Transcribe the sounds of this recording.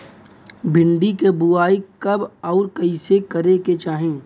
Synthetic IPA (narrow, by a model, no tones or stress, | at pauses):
bʱɪ̃ɳɖikebuaːikɐbɔːɾkɐisekɐɾeket͡ʃaːɦẽː